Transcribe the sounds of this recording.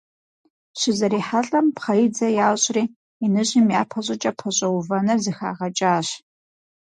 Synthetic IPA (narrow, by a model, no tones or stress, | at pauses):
ɕɪzɐɾiːħaɬʼɐmpχɐjd͡zɐjaːɕʼriː | inɨʑimjaːpʰɐɕ̬ʷʼɐt͡ʃʼɐpʰɐɕʼɐwʊvɐnɐrzɨxa̰ːʁɐt͡ʃʼaːɕ